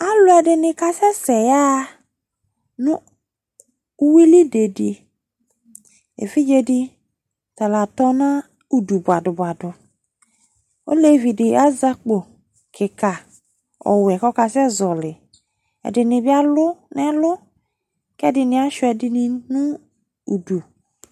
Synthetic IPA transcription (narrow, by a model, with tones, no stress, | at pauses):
a˦lʊ˦ɛ˨dɪ˨nɪ˨ka˦sɛ˦sɛ˨ja˦ | nʊ˦ | u˦wi˦li˦de˨di˨ | ḛ˨fi˦d͡ʒe˦dɪ˦ | ta˨la˨tɔ˦na˦ | u˨du˨bʊ˨a˨dʊ˨ba˨dʊ˨ | o̰˦le˦˨vi˨dɪ˨a˦za˦k͡po˨ | kʰɪ˨ka˨ | ɔ̰˨wɛ˨kɔ˦ka˨sɛ˦zɔ˨lɪ˨ | ɛ̰˨dɪ˨nɪ˨bɪ˦a˦lʊ˦nɛ˦lʊ˦ | kɛ˦dɪ˨nɪ̃˨a˦ʃʊ˦ɛ˨dɪ˨nɪ˦nʊ˦ | u˨du˨